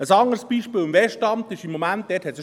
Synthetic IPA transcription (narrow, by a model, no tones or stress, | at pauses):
əsɑŋəɾsb̥iːʃpiːlɪmvɛʃtɑmtɪʃɪmːomænt̚d̥ɛːthɛt̪sə